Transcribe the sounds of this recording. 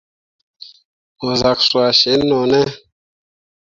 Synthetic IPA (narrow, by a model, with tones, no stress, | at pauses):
o˨za˨kswa˨ʃe˨˦nːo˨nɛ˦